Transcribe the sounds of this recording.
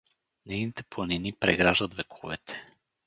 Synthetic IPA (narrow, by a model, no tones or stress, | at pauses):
nɛjnit̪ɛplˠɐninipɾɛɡɾaʒət̪vɛkʰuvɛ̰t̪ʰɛ̥